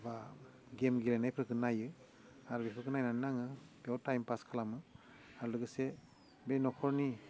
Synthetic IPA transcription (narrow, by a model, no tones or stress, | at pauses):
ba | ɡemɡilajnajpʰɾɯkʰɯnajɯ | aɾubipʰɯkʰɯnajnannaŋɯbewtajmpaskʰalamɯ | aɾulɯɡɯse | benɔkʰɔɹni